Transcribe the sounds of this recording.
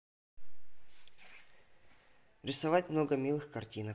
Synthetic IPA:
ɾʲɪsɐvat̚ʲmno̞ɡəmʲilˠɨxkɐrtʲinə

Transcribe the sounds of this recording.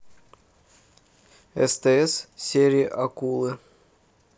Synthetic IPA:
ɛ̰st̪ɛɛssʲeɾʲɪːʔɐkulˠɨ

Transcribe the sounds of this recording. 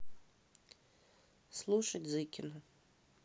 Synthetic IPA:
slˠuʃɐtʲzɨkʲɪnʊ

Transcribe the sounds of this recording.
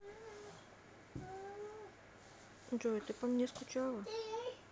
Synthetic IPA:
d͡ʒojt̪ɨpɐmnʲeskʊt͡ʃalˠɐ

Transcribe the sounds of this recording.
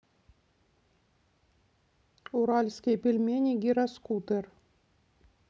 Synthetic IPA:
uɾɑlʲsʲkʲijpʲilʲmʲenʲiɡʲiɾɑskut̪ɘr

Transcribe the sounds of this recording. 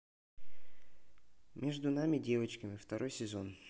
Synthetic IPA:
mʲe̞ʐd̪ʊnamʲɪdʲe̞vət͡ɕkəmʲɪft̪ɐɾʔo̞jsʲɪzo̞n

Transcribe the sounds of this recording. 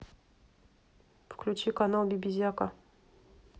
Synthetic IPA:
fklʲʉt͡ɕikanalˠbʲibʲizʲjaka

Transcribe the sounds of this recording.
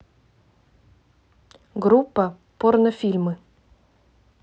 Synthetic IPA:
ɡɾupːə | pornəfʲilʲmɨ

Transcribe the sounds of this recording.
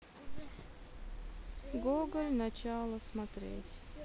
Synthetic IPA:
ɡoɡəlʲnɐt͡ɕalˠəsmɐt̪ɾʲḛtʲ

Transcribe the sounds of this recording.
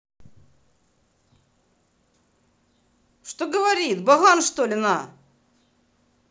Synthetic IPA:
ʂt̪oɡəvɐɾʲit̪bɐɦanʂt̪olʲɪna

